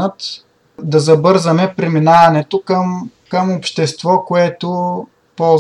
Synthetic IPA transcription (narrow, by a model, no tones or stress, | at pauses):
ət̪ | d̪ɐzɐbɤɾzɐmɛpɾɛminavɐnɛt̪okəm | kəmopʃt̪ɛst̪vɔkoɛt̪o | pɔlˠ